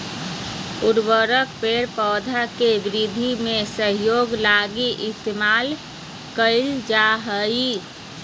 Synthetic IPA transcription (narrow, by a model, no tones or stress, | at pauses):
uɾbəɾəkpeɾpɔːd̪ʱakebɾid̪ʱimesəɦjoːɡlaɡiʔɪst̪emal | kəɪld͡ʒaɦəi